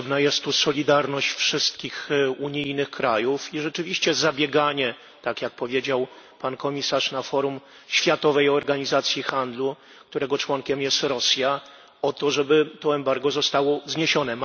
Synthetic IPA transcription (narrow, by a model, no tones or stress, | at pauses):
bnajɛst̪ːusɔlʲid̪aɾnɔɕt͡ɕfʂɘst̪̚kʲixuɲijnɘxkɾajufiʐɛt͡ʂɘvʲiɕt͡ɕɛzabʲjɛɡaɲɛ | t̪akʲjak̚pɔvʲjed͡ʑaw | pankɔmʲisaʂnafɔɾum | ɕfʲjat̪ɔvɛjɔɾɡaɲizat̪sʲjixand̪lu | k̚t̪uɾɛɡɔt͡ʂwɔŋkʲɛmjɛst̪ɾɔsʲja | ɔt̪ɔʐɛbɘt̪ɔɛmbaɾɡɔzɔst̪awɔzɲeɕɔnɛ